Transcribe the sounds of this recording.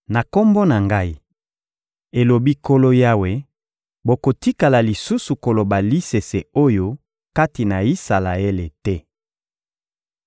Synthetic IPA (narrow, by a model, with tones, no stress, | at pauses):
na˨ko˦mbo˦na˨ŋɡa˦i˦ | e˨lo˨bi˦ko˦lo˦ja˦we˦ | bo˨ko˨ti˦ka˨la˨li˨su˦su˨ko˨lo˨ba˨li˦se˨se˨o˦jo˦ | ka˦ti˨na˨i˦sa˨la˨e˦le˨tɛ˦